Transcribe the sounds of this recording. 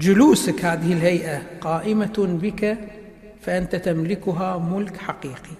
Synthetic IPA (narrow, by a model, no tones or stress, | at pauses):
d͡ʒʊluːsakhaːðɪhɪlɦajʔaqɑːʔɪmabɪka | faʔɪnt̪at̪amlɪkʊɦamʊlkħaqiːqi